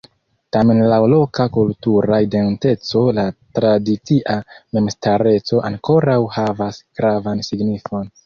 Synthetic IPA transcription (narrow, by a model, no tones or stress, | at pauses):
tame̞nlalo̞kakultuɾaide̞nte̞t͡so̞latɾadit͡siʔame̞mstaɾe̞t͡so̞ʔaŋko̞ɾawhavasɡ̥ɾavansiɡnifo̞n